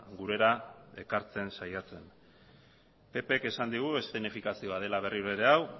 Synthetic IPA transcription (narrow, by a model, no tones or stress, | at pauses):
ɡuɾe̞ɾae̞kaɾt͡se̞nsajat͡se̞n | pe̞pe̞ke̞sand̪iɣ̞ue̞st̪enifikasio̞að̞e̞laβ̞e̞riɾeɾeaw